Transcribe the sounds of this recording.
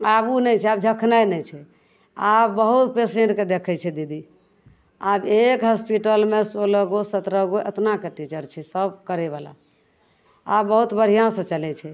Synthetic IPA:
abunɛjt͡ʃʰɛab̚d͡ʒʱəkʰnəjnɛt͡ʃʰɛ | abːəɦut̪peseɳʈked̪ekʰɛt͡ʃʰɛd̪id̪i | abekɦəspiʈəlmesoləɡosət̪ɾəɡoʔḛt̪nakeʈit͡ʃəɾt͡ʃʰɛsəbkəɾeβala̰ | abːəɦut̪bəɽ̤ijãsə̃t͡ʃəlɛt͡ʃʰɛ

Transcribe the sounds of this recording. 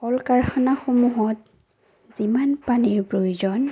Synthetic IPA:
ɔlkaɹxɔnaxomuɦɔt | z̥imanpaniɹpɹojzɔn

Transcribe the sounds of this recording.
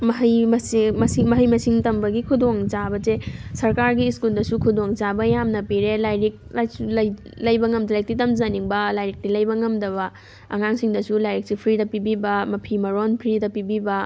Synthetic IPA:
mɐɦɐjmɐsmɐsimɐɦɐjmɐsiŋtɐmbɐɡikʰudoŋt͡ʃabɐt͡ʃesɐɾkaɾɡiːskuldɐsukʰudoŋzabɐjamnɐpiɾelajɾik̚lajsulɐjlɐjbɐŋɐmdɐlajk̚titɐmzaniŋbɐlajɾik̚tilɐjbɐŋɐmdɐβɐ | ɐ̰ŋaŋsiŋdɐsulajɾik̚sipʰɾidɐpibibɐmɐpʰimɐɾonpʰɾidɐpibibɐ

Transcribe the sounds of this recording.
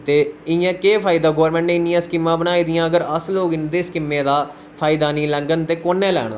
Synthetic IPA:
t̪eːɪjãːkeːpʰaːid̪aːɡoːɾmɛ̃ːɳʈneːɪnːɪjãːskɪmːãːbənaːiːd̪ɪjãːəɡəɾəsloːɡɪnd̪eːskɪmːẽːd̪aː | pʰaːid̪aːniːlɛ̃ŋɡənt̪eːkoːnːẽːlɛ̰ːɽ̃a̰ː

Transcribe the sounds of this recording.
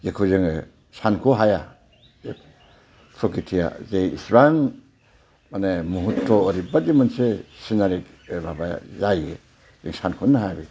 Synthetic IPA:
jekʰuzeŋe | sankʰoɦaja | e | pʰɾokitʰija̰zeisɾan | manemuɦutʰːɔːɾibadimansesinaɾik | baba̰jaje | zeŋsankʰunːaɦajbi

